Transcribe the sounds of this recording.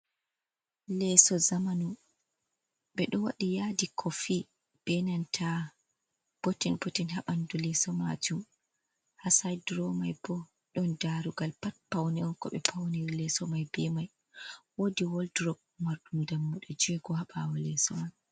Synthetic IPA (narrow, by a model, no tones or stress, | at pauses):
lɛsɔzamanu | ɓɛɗɔwaɗijadikʰɔfi | b̥ɛnantʰa | b̥otinbotinhaɓandulɛsɔma̰d͡ʒum | hasajdɾɔmajbɔ | ɗɔndaɾuɡalpat̚pawniɔnkɔɓɛ̰pʰawniɾilɛsɔmajbɛmaj | wodiwoldɾɔɡ̚maɾɗumdamːuɗɔd͡ʒɛɡɔhaɓawɔlɛsɔmaj